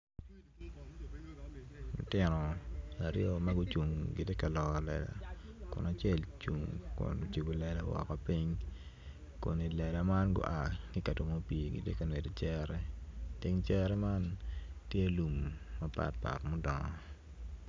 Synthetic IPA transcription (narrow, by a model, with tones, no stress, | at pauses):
lʊ̰˨tɪ˨nɔ˨a˨ɾjo˦ma˦ɡʊ˦t͡ʃu˨ŋɡɪ˨de˦ka˨lɔ˨kɔ˨lɛ̰˨la̰˨kʊ̰˨na˨t͡ʃjɛ˦lt͡ʃu˨ŋkʊ̰˨n˨t͡ʃi˨bu˨lɛ˨la˦wɔ̰˨ka˨pi˦ɲ | ko̰˨ni˨lɛ˨la˨ma˦nɡʊ̰˦ʔa˨ki˦ka˨to˨mo˦pi˨ɡḭ˨de˦ka˨ne˨do˨t͡ʃɛ˦ɾɛ˦ti˦ŋt͡ʃɛ˦ɾɛ˦ma˦ntje˦lu˨mːa˨pa̰˨t̚pa̰˨tmʊ˦dɔ˨ŋɔ˨